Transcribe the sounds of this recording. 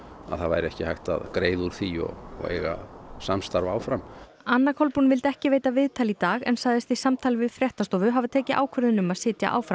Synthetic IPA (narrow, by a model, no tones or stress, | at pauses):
a̰ðθavajɾɪɛhcɪhajht̪a̰ðkɾeːjðuɾ̥θiɔ̰ɣɔ̰ḛjɣa̰samst̪aɾvaːwfɾam | anːakʰɔlpunvɪlt̪ɛhcɪveːjt̪avɪðt̪ʰalit̪aːɣɛ̰nsajðɪst̪isamt̪ʰaːlvɪðfɾjɛht̪ast̪ɔːvʏɦavɪt̪ʰɛːcɪʔa̰ːwkʰvœɾðɪnʏmaðsɪːt̪ja̰ʔa̰ːwfɾam